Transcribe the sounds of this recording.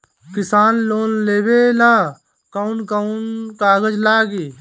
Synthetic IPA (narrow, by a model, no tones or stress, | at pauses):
kɪsaːnloːnleːbelaː | kɐʊnkəʊnkaːɡəd͡ʒlaːɡi